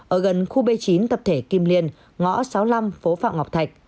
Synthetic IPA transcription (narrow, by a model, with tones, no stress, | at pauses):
ʔəː˧˩ɣə˨˩nxu˧ɓə˧jt͡ɕi˨˦nt̪ə˨˩p̚t̪ʰe˧˩ki˧mli˧ən | ŋɔ̰˧˥sa˨˦wla˧mfo˨˦fa̰ː˧˨ŋ͡mŋa˨˩wk͡p̚t̪ʰa˨˩jk̚